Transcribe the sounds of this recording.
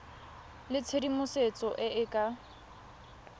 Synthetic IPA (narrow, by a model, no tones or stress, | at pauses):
lɪt͡sʰedimʊset͡sʼɔʔɪʔɪkʼa